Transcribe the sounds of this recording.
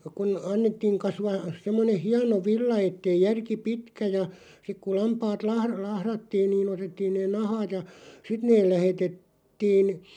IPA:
kun ɑnːetːiːŋ kɑsʋɑː semːoneh̆ hiɑno ʋilːɑ etːei jærki pitkæ jɑ sik ku lɑmpɑːt lɑhr lɑhrɑtːiːn niːn otetːiːn neːn nɑhɑːt jɑ sit neːl læhetet tiːn

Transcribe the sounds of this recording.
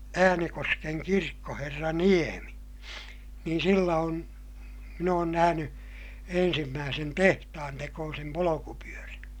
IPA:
æːnekoskeŋ kirkːoherːɑ niemi niːn silːæ on min oːn næhæny ensimːæːsen tehtɑhɑntekoːsem polokupyøræn̞

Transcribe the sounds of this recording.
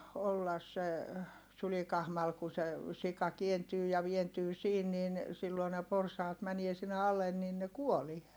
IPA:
olːɑs se sylikɑhmɑl ku se sikɑ kientyː jɑ ʋientyː siːn nin silːoi ne porsɑːt mænie sinːe ɑlen niːn ne kuolie

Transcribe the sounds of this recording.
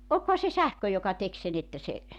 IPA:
olkohɑ se sæhkø jokɑ tek sen etːæ se

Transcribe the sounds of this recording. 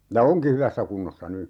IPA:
jɑ oŋki hyʋæsːæ kunːosːɑ ny

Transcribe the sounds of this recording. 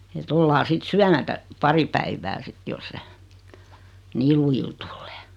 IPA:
et olːɑː sit syæmætæ pɑri pæiʋæ sit jos se niːl lujil tulːe̥ː

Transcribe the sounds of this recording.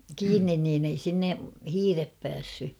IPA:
kiːnːin niːn ei sinːe hiːrep pæːsːy

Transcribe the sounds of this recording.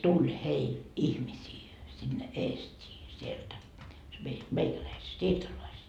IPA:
tulʲ heil ihmisiː sinːe eːstʲiː sieltæ se mei meikælæiset siːrtolɑiset

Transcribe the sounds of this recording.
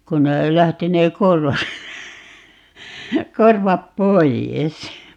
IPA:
kun ne læhti ne korʋɑt korʋɑp poijes

